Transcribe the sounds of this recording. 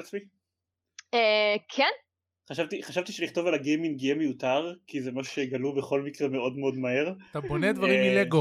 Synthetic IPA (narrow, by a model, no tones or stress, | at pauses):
at͡smi | ekʰen | χaʃavt̪iχaʃavt̪iʃeliχt̪o̞valaɡejminɡijemejut̪aʁkizemaʃu̥ʃeɡalubeχo̞lmikʁeme̞o̞d̪meo̞d̪maɦe̞ʁt̪aboned̪vaʁimileɡo